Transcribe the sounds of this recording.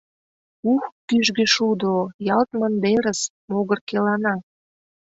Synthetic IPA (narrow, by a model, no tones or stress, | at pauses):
uxt̪yʒɣeʃud̪ojɑlt̪mə̆nd̪eɾəs | moɣərkelɑnɑ